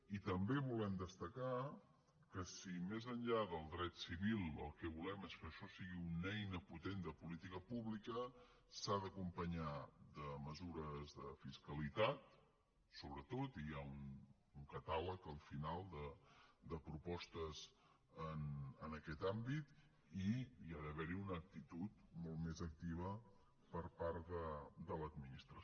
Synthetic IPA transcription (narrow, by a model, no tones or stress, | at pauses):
it̪əmbeβulɛmd̪əst̪əka | kəsimezənʎaðəlˠd̪ɾɛt̪siβilˠə̰lˠkɛβulɛmeskəʃɔsiɣiunɛjnəput̪end̪əpulit̪ikəpuβlikə | saðəkumpəɲad̪əməzuɾəzðəfiskəlit̪at̪̚ | soβɾət̪ot̪iaun | uŋkət̪aləkəlˠfinalˠd̪əd̪əpɾupɔst̪əz | ənənəkɛt̪ambit̪ | iiaðəβɛɾiunəːk̚t̪it̪ut̪̚mɔlˠt̪mezək̚t̪iβ̞ə | pəɾpaɾðəd̪ələd̪minist̪ɾə